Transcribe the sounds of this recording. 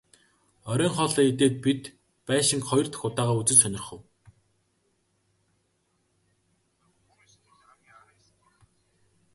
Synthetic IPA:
ɔɾʲœːŋχɔːɮɔːet̪̬eːt̪̚pit̪ | pæːʃɪ̆ŋkχɔjɞ̆r̥t̪xʊt̪aːʁaːut͡sɘ̆nsœnʲɪ̆rχə̆w

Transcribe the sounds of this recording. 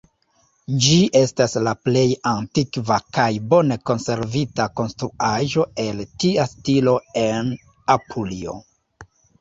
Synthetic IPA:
d͡ʒiʔe̞staslaple̞jantikvakajbo̞ne̞ko̞nse̞ɾvitako̞nstɾuʔaʒo̞e̞ltiastilo̞e̞n | apʰulio̞̰

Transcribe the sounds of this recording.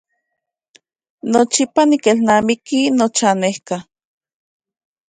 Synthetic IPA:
not͡ʃipanikelnaːmikinot͡ʃanehka

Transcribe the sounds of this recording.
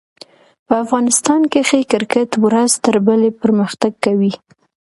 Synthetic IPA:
pəafɣɑnɪst̪ɑnkexekɪɾkɪt̪wɾazt̪əɾbəlepəɾməxt̪aɡ̚kːawi

